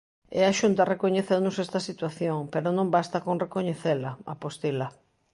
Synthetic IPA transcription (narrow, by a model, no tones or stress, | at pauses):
ɛ̰aʃunt̪ɐrekoɲeθewnʊsɛst̪ɐsit̪waθjoŋpeɾonõmbast̪ɐkoŋrekoɲeθelɐa̰post̪ilɐ